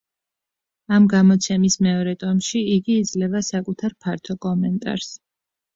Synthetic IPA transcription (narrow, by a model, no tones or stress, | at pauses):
amɡamɔt̪sʰɛmismɛɔɾɛt̪ʼɔmʃiiɡiːd̪zlɛvasakʼut̪ʰaɾpʰaɾt̪ʰɔkʼɔmɛnt̪ʼa̰ɾs